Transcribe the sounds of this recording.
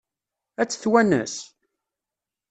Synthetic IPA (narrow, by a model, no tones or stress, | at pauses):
æt͡sːθwænə̰s